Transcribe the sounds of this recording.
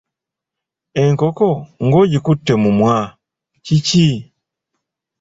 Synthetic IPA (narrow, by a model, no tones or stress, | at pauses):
ɛŋkɔkɔŋɡɔɟikutːɛmumwa | cici